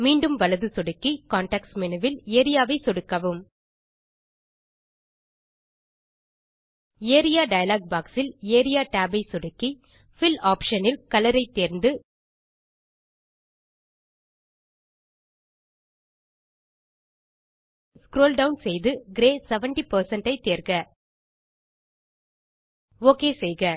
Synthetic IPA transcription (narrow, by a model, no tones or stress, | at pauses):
miːɳɖɯmʋɐlɐðɯsɔɽɯkːikaːɳʈaːksmɛnɯʋɪleːɾɪjaːʋɐɪsɔɽɯkːɐʋɯm | eːɾɪjaːɖɐjɐlaːɡ̚baːksɪleːɾɪjaːʈaːbɐɪsɔɽɯkːi | fɪlaːpʂɐnɪlkɐlɐɾɐɪt̪ːeːɾnd̪ɯ | skɾoːlɖɐwnsɛjðɯɡɾeːsɛʋɐɳʈipɐɾsɐɳʈɐɪt̪ːeːɾkɐ | oːkeːsɛjɣɐ